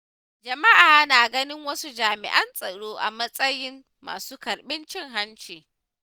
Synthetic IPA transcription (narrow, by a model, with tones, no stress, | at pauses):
d͡ʒɐ˨ma˦ʔaː˨naː˨ɡɐ˦nɪ˦ŋwɐ˦su˦d͡ʒaː˨mɪ̰˨ʔɐ˦nsʼɐ˨ɽoː˦ʔa̰˨mɐ˦sʼɐ˦jɪ˦mːa̰ː˨suː˦kɐ˨ɾɓɪ˦nt͡ʃɪ˦ŋɦa˦nt͡ʃeː˨